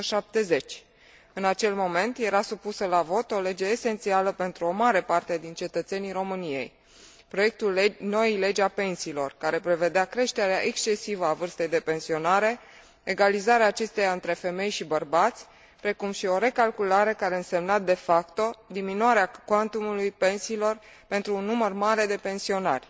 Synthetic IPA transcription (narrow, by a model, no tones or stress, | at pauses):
ʃap̚t̪e̞ze̞t͡ʃʲ | ɨnat͡ʃe̞lmo̞me̞nt̪je̞ɾasupusəlavo̞t̪o̞le̞d͡ʒe̞ːse̞nt̪sialəpe̞nt̪ɾuo̞maɾe̞part̪e̞d̪int͡ʃe̞t̪ət̪se̞nijɾo̞mɨnije̞̰j | pɾo̞je̞k̚t̪ulno̞ile̞d͡ʒape̞nsiːlo̞rkaɾe̞pɾe̞ve̞d̪eakɾe̞ʃt̪e̞ɾeaʔe̞kst͡ʃe̞sivəavɨrst̪e̞jd̪e̞pe̞nsio̞naɾe̞ | eɡalizaɾeaːt͡ʃe̞st̪ejaɨnt̪ɾe̞fe̞me̞jʃibərbat̪sʲ | pɾe̞kumʃio̞ɾe̞kalkulaɾe̞kaɾe̞ɨnse̞mnat̪̚d̪e̞fakt̪o̞d̪iminwaɾeakwant̪umulujpe̞nsiːlo̞r | pe̞nt̪ɾuːnːumərmaɾe̞d̪e̞pe̞nsio̞na̰rʲ